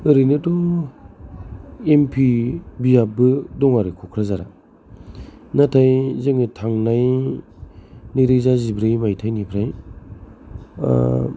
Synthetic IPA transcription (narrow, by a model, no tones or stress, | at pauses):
ɯɾɯjnɯtɔ | empʰibijabɯdɔŋaɾɯkʰɔkʰɾazaɾa̰ | natʰajzɯŋɯtʰaŋnaj | niɾɯzazibɾajmajtʰajnipʰɾaj